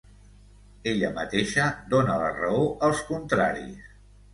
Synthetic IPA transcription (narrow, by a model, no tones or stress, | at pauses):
eʎəmət̪eʃəd̪onələ̰rəoʔəlˠskunt̪ɾa̰ɾḭs